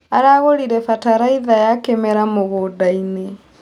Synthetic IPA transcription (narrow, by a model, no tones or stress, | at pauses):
aɾaɣoɾiɾɛfataɾaiðajakemɛɾamoɣodaine